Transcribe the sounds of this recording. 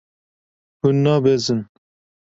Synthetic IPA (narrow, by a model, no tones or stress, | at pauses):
hunːɑbezɨn